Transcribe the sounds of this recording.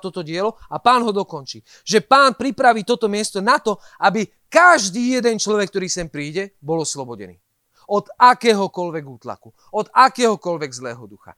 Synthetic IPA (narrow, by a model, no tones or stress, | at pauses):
t̪ɔt̪ɔɟɪɛlɔapaːnɦɔd̪ɔkɔnt͡ʃiː | ʒɛpaːnpɾipɾaʋiːt̪ɔt̪ɔmɪɛst̪ɔnat̪ɔ | abi | kaʒd̪iːjɛd̪ɛnt͡ʃlɔʋɛk̚ːt̪ɔɾiːsɛmpɾiːɟɛbɔlɔslɔbɔɟɛ̰nḭː | ɔd̪akɛːɦɔkɔlʋɛɡuːt̪la̰ku | ɔd̪akɛːɦɔkɔlʋɛɡzlɛ̰ːɦɔd̪uxa̰